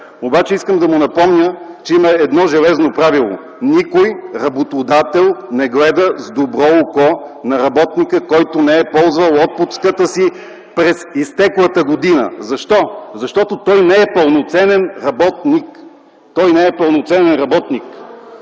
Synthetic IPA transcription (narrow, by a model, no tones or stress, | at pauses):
obat͡ʃɛiskəmd̪ɐmʊnɐpɔmnʲət͡ʃɛimɐɛd̪nɔʒɛlɛznopɾavilˠo̰ | nikojɾɐbot̪od̪at̪ɛlˠnɛɡlɛd̪əzd̪obɾɔokɔnɐɾɐbɔt̪nikəkɔjt̪ʊnɛɛpɔlˠzvəlˠɔt̪̚pʊt̪skət̪əsi | pɾɛsist̪ɛklˠət̪əɡod̪inə̰zɐʃt̪ɔzɐʃt̪ɔt̪ot̪ɔjnɛɛpəlˠnot̪sɛnɛnɾɐbɔt̪nik | t̪ɔjnɛɛpəlˠnot̪sɛnɛnɾɐbɔt̪nik